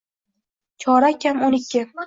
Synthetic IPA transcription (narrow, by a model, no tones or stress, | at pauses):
t͡ʃʰɒɾakʲamonɪkʲʰːɪ